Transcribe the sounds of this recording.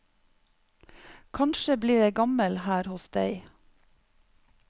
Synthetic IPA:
kʰɑnʃəbliːɾeɪɡɑməlhæːɾhɔsd̪æɪ

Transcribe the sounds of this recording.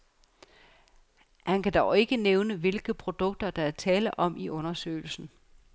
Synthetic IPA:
hænkʰæd̥ɑʊe̝ɡ̥əneʊnəʋe̝lɡ̥ð̩ˠpʰʁo̝d̥ɔ̽ɡ̥̚d̥ɐd̥ɑ̈æɐt͡sʰɛːləʔɒ̽miʔɔ̽nɐsø̰ːɪl̩sn̩

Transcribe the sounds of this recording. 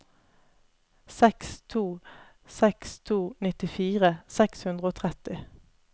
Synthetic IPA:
sɛkst̪ʰuː | sɛkst̪ʰuːnɪt̪ɪfiːʁəsɛkshʉnd̪ʁəoːt̪ʰʁɛt̪ɪ

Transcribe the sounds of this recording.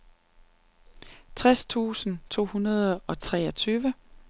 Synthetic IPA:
t͡sʰʁast͡sʰṵːsn̩t͡sʰo̝̰ːhunɐð̞ˠɒ̽t͡sʰʁɛːɒt͡sʰyːʋə

